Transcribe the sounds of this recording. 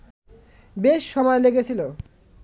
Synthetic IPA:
beʃːɔmɔeleɡet͡ɕʰilo

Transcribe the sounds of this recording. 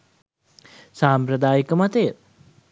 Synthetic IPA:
saːmpɾəd̪aːjəkəmat̪e

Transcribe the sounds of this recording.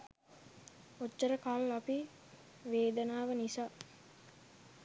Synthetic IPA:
ot͡ʃːəɾəkalapi | ʋeːd̪ənaːʋənisaː

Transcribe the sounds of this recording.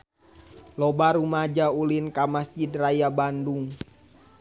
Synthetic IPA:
lɔbaɾumad͡ʒaulinkamasd͡ʒid̪rajabanduŋ

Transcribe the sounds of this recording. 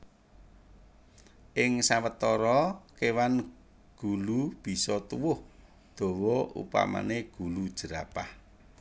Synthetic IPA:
ʔɪŋsawət̪ɔɾɔkewan | ɡ̥ulub̥i̤sɔt̪uwʊh | d̪̥ɔ̤wɔṵpa̰ma̰neɡ̥ṳlu̥ʒ̥ə̤ɾapah

